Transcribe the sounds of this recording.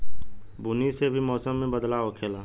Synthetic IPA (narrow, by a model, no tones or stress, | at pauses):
bʊnisebʱimɔːsəmːẽbəd̪laokʰeːlaː